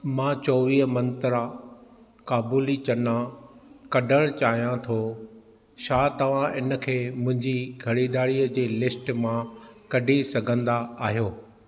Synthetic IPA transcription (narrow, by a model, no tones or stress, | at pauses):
mãːt͡ɕɔːʋiːɦmɐ̃nt̪əɾa | kaːbuːlit͡ɕɐnãkɐɖʱəɽ̃t͡ɕaːɦijãt̪ʰo | ʃaːt̪ɐʋ̤ãʔɪnə̆kʰeːmʊ̃ɦɪ̃ɲd͡ʑiɡʰʱɐɽid̪aːɽiəd͡ʑeːlɪsʈmãkɐɖʱisɐɡʱə̃nd̪aaːɦijoː